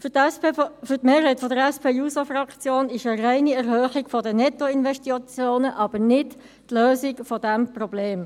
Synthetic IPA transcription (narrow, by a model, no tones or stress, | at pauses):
fʏɾtmeːɾɦæjtfɔdəɾɛspʰeːjuːsofrɑkt͡sjoːnɪʃəræɪniɛɾhœːχiɡfɔdənɛt̪ːɔɪnvɛʃtiɑt͡sjoːnəʔɑb̥əɾnɪt | tløːsikfɔd̪æmprɔbleːm